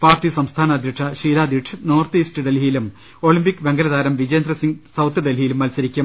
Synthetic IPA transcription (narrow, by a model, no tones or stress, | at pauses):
paːrtisɐmst̪ʰaːnɐɐd̪ʱjɐʈʂɐɕiːɾaːd̪iʈʰɨnoːrt̪istɨɖelijilum | o̞ɭimbikʲːɨʋe̞ŋɡɐlɐðaːɾɐmʋid͡ʑɐjːnd̪rɐsiŋɡsɐwt̪ʰːɨɖelijilumːɐlsɐɾikʲːum